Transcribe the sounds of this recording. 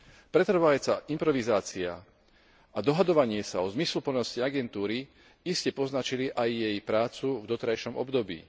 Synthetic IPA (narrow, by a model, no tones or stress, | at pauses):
pɾɛt̪r̩ʋaɛt͡saʔimpɾɔʋizaːt͡sia̰ | ad̪ɔɦad̪ɔʋaɲɪɛsaɔzmislupl̩nɔsciaɡɛnt̪uːɾi | iscɛpɔznat͡ʃiliʔajːɛjpɾaːt͡suvd̪ɔt̪ɾajʃɔmɔ̰bd̪ɔbḭː